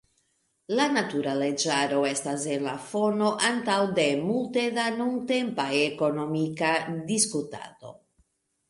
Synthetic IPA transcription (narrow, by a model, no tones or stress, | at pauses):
lanat̪uɾaled͡ʒaɾo̞e̞stasenlafo̞no̞ʔant̪awd̪e̞mult̪e̞danunt̪e̞mpajeko̞no̞mikad̪iskut̪a̰do̞̰